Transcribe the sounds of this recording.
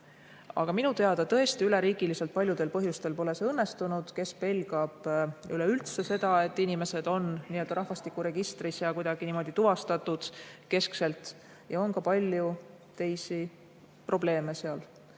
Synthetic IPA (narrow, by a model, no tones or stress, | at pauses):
ɑ̰ɡ̥ɑminut̪e̞ɑd̪̥ɑt̪ɤ̞e̞st̪iyle̞ɾiːɡ̥ilise̞lt̪̚pɑlʲjud̪e̞lpɤɦjust̪e̞lpo̞le̞sɤnːe̞st̪unud̪̥ke̞spe̞lɡ̥ɑb̥yleylt̪se̞se̞d̪̥ɑe̞t̪ːˑinime̞se̞d̪̥o̞nnield̪ɑɾɑɦvɑst̪ikːˑuɾe̞ɡ̥ist̪risjɑkujd̪̥ɑɡ̥inimo̞d̪̥it̪uvɑst̪ɑt̪ːˑud̪̥ke̞skse̞lt̪ˑ | jɑo̞nkɑpɑlʲju | t̪e̞jsi | pro̞b̥le̞ːme̞seɑl